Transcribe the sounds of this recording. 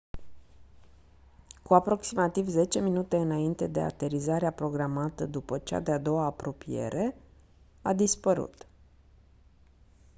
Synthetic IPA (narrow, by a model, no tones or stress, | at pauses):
kuapɾo̞ksimat̪ivze̞t͡ʃe̞minut̪e̞ɨnaint̪e̞d̪e̞a̰t̪e̞ɾizaɾeapɾo̞ɡɾamat̪əd̪upət͡ʃa̰d̪ead̪o̞waːpɾo̞pije̞̰ɾʔe̞ | ad̪ispəɾṵt̪